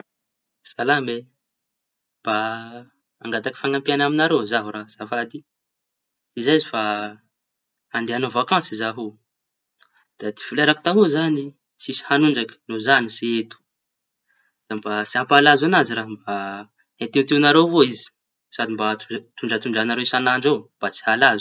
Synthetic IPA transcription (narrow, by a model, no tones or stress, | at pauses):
salambe | b̥a | aŋɡat̪aki̥faŋampianaminaɾewzaɦuɾaz̥afad̪i | izaizifa | and̪eanovakɑ̃nsizaɦu | d̪̥ad̪i̥fuleɾaki̥t̪aɦuzani | sisi̥hanuɳɖ͡ʐakə̥nozanisiet̪u̥ | d̪̥ambat͡siampalazanaziɾaɦmba | et̪iut̪iunaɾewvoizi̥ | sad̪imbat̪ut̪uɳɖ͡ʐat̪uɳɖ͡ʐanaɾeisanaɳɖ͡ʐewb̥at͡si̥halazu̥